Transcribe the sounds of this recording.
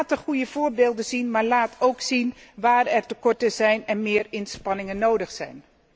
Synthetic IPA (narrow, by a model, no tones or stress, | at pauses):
təχujəv̥ʊːɹbeːlˠdəzinmaːɹlaːtʰowksinʋaːrɛɹtəkɔɹtəzɛjnɛnmɪːrɪnspɑnɪŋənowdəχsɛ̰jn